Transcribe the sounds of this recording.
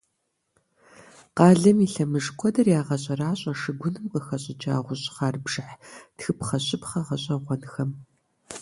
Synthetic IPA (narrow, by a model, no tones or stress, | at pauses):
qɑːɮɐmiɬɐmɨʐkʷʰɔdɐrjaːʁɐɕʼɐraːɕʼɐʂɨɡʷʊnɨmqəxɐɕʼɪd͡ʒa̰ːʁʷʊɕʼχɑːrbʒɨħtxɨpχɐɕʼɪpχɐʁɐɕʼɐʁʷɔnxɐm